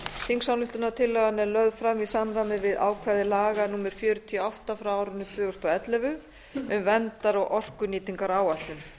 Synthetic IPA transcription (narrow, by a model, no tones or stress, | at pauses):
θiŋksawlʏht̪ʏnat̪ʰɪlːɛɣanɛɾlœðfɾamisanɾamɪvɪða̰ːwkʰvaðɪlaːɣanuːmɛɾ̥fjœːɾʏt̪ʰiɔɔht̪afɾaaːwɾʏnːɪt̪ʰvʏːɣʏst̪ɔɛt̪lɛvʏ | ʏmvɛnt̪aɾaɣʔɔr̥kʏniːt̪iŋkaɾaːwat̪lɪn